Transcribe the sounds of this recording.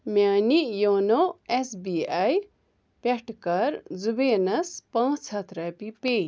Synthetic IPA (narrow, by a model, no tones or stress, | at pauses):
mʲaːnijoːnoesbiːaj | pʲeʈkɐɾzubeːnɐspãːt͡shɐt̪ʰɾɐːpipeː